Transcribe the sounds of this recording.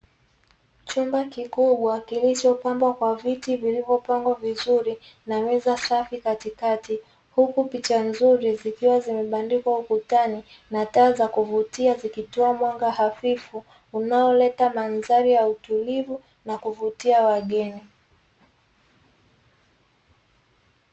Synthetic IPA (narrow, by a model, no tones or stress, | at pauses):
t͡ʃumbakikuɓwakilit͡ʃɔpambwakwavitivilivɔpaŋɡwavizuɾi | namɛzasafikatikati | hukupit͡ʃanzuɾizikiwazimɛɓandikwaukutani | nataːzakuvutiazikitɔamwaŋɡahafifuː | naɔlɛtamanzaɾijautulivu | nakuvutiawaɠɛni